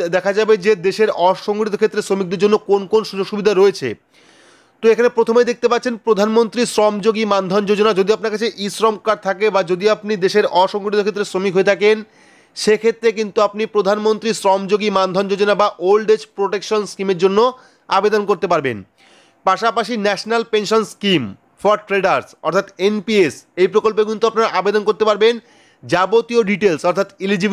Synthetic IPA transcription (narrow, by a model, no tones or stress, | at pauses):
d̪ɛkʰad͡ʑabed͡ʑed̪eʃeɾɔʃoŋɡɾit̪okʰet̪ːɾesɾomik̚d̪eɾd͡ʑonːokonkonʃud͡ʑoɡʃubid̪ʱaɾoet͡ɕʰḛ | t̪oekʰanepɾot̪ʰomejd̪ek̚t̪epatːt͡ɕʰenpɾod̪ʱanmont̪ɾisɾɔmd͡ʑoɡimand̪ʱɔnd͡ʑod͡ʑonad͡ʑod̪iap̚naɾkat͡ɕʰeʔisɾɔmkaɾt̪ʰakebad͡ʑod̪iapnid̪eʃeɾɔʃoŋɡɾit̪okʰet̪ːɾesɾomikɦoet̪ʰaken | ʃekʰet̪ːɾek̬int̪uap̚nipɾod̪ʱanmont̪ɾisɾɔmd͡ʑoɡimand̪ʱɔnd͡ʑod͡ʑonabaʔolɖed͡ʑpɾoʈekʃonskimeɾd͡ʑonːo | abed̪onkoɾt̪epaɾbḛn | paʃapaʃinɛʃnalpenʃonskim | fɔɾʈɾeɖaɾsɔ̰ɾt̪ʰat̪enpiesejpɾokolp̬ekint̪uap̚naɾaʔabed̪onkoɾt̪epaɾben | d͡ʑabot̪ioɖiʈelsɔɾt̪ʰat̪ilid͡ʑi